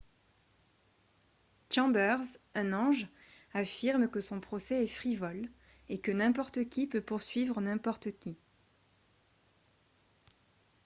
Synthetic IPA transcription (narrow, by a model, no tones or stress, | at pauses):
t͡ʃɑ̃bœʁzɛ̃nɑ̃ʒ | afiʁmkəsɔ̃pχɔsɛɛfχivɔl | ekənɛ̃pɔʁt̪əkʲipøpuʁsɥivʁənɛ̃pɔʁt̪əkʲi